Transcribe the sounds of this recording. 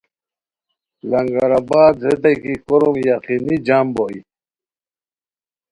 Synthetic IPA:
lɐŋɡaɾabaːd̪zed̪ajkikoɾumjaqinid͡ʑamboi

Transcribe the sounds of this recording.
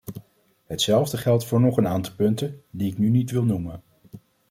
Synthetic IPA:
ɦətsɛlˠvdəχɛlˠtfʊːɹnɔχənaːntɑlˠpɵntəndiɪknynitʋɪlˠnumən

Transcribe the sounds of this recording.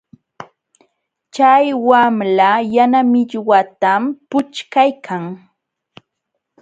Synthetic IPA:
t͡ʃajwamlajanamɪʎwat̪ampʊt͡ʃkajkʰaŋ

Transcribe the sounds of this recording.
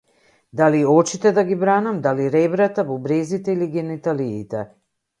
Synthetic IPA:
d̪aliɔt͡ʃit̪ɛd̪aɡibɾanamd̪aliɾɛbɾat̪avɔbɾɛzit̪ɛiliɡɛnit̪aliːt̪ɛ̰

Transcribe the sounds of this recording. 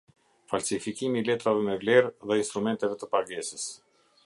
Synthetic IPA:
falsifikimiːlɛt̪ɾavɛmɛvlɛɾðɛinst̪ɾumɛnt̪ɛvɛt̪əpaɡɛsəs

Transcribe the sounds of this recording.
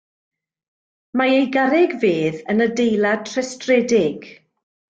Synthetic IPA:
maejɡaɾɛɡveːðənədejlˠad̚tʰrɛstrɛdɪɡ̥

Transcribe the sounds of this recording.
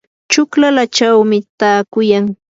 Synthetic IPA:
t͡ʃʊklalat͡ʃawmɪt̪aːkʊjaŋ

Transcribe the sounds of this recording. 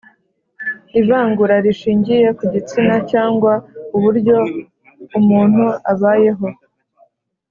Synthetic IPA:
iβaːŋɡuɾaɾiʃiːɲɟije̞kuɟit͡sinacaːŋɡwauβuɾɟo̞ | umuːn̥huaβaːje̞ɦo̞

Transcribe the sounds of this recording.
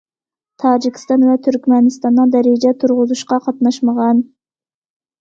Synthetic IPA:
t̪ʰɑːd͡ʒikʲʰi̥st̪ɑnvɛt̪ʰyɾkʲmɛnɪst̪ɑnːɨd̪ɛɾɪd͡ʒɛt̪ʰuɾʁʊzuʃqɑqʰɑt̪nɑʃməʁɑn

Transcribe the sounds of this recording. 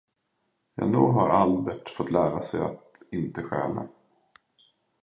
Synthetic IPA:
jɑ̰ːnuːɦaɾalbɛʈfɔt̪ːlæːɾasɛjat̪ɪnt̪əɧæ̰ːla̰

